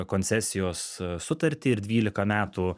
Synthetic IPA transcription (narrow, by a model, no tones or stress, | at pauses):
konʲsʲɛsʲɪjoːsːʊt̪ɐɾʲt̪ʲɪɪɾd̪ʲʋʲiːlʲɪkɐmʲæːt̪u